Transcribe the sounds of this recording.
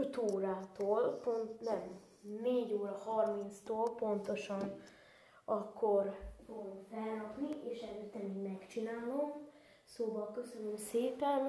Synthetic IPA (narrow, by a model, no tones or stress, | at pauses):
t̪oːɾaːt̪oːlpont̪nɛmː | eːɟoːɾɒhɒrmint̪st̪oːlpo̞nt̪oʃɒn | ɒkːo̞rfoɡomfɛlɾɒpnieːʃɛløːt̪ːɛmiːɡmɛkt͡ʃinaːlo̞m | soːbɒlkø̞sønømseːpɛn